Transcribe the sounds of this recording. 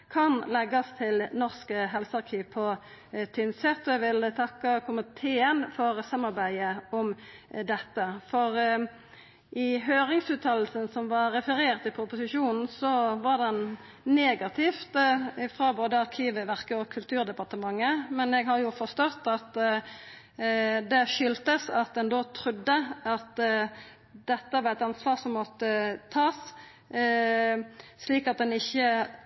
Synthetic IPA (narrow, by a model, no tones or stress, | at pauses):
kʰɑnlɛɡɑst̪ʰɪlnɔʁskəɦɛlsəɑʁkʰiːʋpʰɔ | t̪ʰʏnsɛt̪ːɔɛɡʋɪlt̪ʰɑkːəkʰʊmɪt̪ʰeːənfɔʁsɑmːɑʁbæɪəɔmd̪ɛt̪ːəfɔʁ | ʔɪɦøːʁɪŋsʉːt̪ʰɑːll̩sənsɔmʋɑɾɛfəɾeːʁt̪ɪpʰʊpʊsɪʃuːnn̩sɔʋɑʁd̪ɛn | neːɡɑt̪ʰɪft̪ɪfʁɑːboːd̪əɑɾkʰiːʋəʋæʁkəɔkʰʉlt̪ʰʉːʁd̪ɛpɑʁt̪əmɑŋːəmɛnɛɡɦɑɾjʊfɔst̪ɔt̪ːɑt̪ | d̪ɛʃʏlt̪əsɑt̪̚d̪ɛnd̪oːt̪ʰɾʉd̪ːəɑt̪ | d̪ɛt̪ːəʋɑːʁɛt̪ɑnsʋɑːʁsɔmːɔt̪ːət̪ʰɑːs | sliːkɑt̪̚d̪ɛnɪçːə